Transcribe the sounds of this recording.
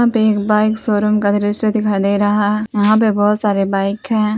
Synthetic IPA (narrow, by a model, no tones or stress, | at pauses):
ãpeeːkbaːɪksoːɾəmkad̪ɾɪsed̪ɪkʰaːd̪eɾɐɦaɦjɐɦãp̬ebɔːt̪saːɾebaːɪkɦɛ̃ː